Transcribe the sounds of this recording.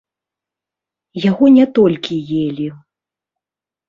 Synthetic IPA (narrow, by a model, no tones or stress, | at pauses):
jaɣɔnʲɛt̪ɔlʲkʲijelʲi